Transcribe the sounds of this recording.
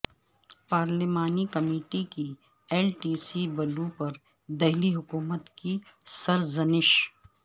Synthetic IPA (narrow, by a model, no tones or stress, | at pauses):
paːɾlɪmaːnikɐmiːʈiki | eːlʈiːsibɐlupɐɾ | d̪ɛɦliɦʊkuːmət̪kisɐɾzɐnɪʃ